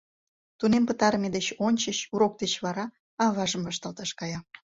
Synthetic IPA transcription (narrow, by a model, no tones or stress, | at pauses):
t̪unempət̪ɑɾmʲed̪et͡ɕonʲt͡ɕəɕuɾok̚d̪et͡ɕβɑɾɑ | ɑβɑʒəmvɑʃt̪ɑlt̪ɑʃkɑjɑ